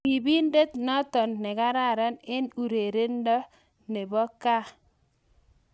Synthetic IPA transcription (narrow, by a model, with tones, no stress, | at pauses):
i˨bi˦nde˦t̪nɔ˦t̪ɔ˨nːɛ˨ka˦ɾa˦˨ɾa˦nɪ˦nu˨ɾe˨ɾe˦ndɔ˦ | ne˨bɔ˦ka˦